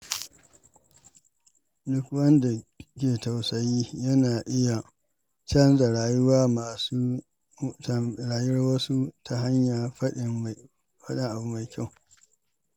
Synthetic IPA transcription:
dʊ˦kwɐ˦nda˨kʲeː˨ta˨wsɐ˨jiː˦jɐ˦naː˨ʔɪ˦ja˨ | t͡ʃɐ˦nza˨ɾaː˨jʊ˦waː˦maː˨suː˦˨ | ɽaː˨jʊ˦rwɐ˦su˦tʰa˦ɦa˦ɲjaː˨ | ɸɐ˦ɗɪ˦ŋʔa˨bu˦ma˨jkʲʰa˦˨w

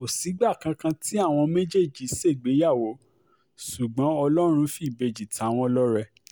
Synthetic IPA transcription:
o˨si˨˦ɡ͡ba˦˨kã˧kã˧ti˦a˦˨w̃ɔ̃˧mẽ˦d͡ʒe˦˨d͡ʒi˨˦se˦˨ɡ͡be˨˦ja˦˨wo˨˦ | su˨ɡ͡bɔ̃˨˦ɔ˧lɔ˦ɾ̃ũ˧fi˨be˨˧d͡ʒi˨tʰa˨˦w̃ɔ̃˧˦lɔ˦ɾɛ˧

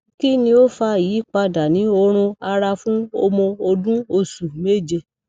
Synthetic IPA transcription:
ki˦nĩ˧o˦fa˧˨jiː˨˦k͡pa˧da˨nĩ˨˦o˧ɾ̃ũ˧a˧ɾa˧fũ˦o˦mõ˧o˧dũ˦o˧su˨me˦˨d͡ʒe˧˨

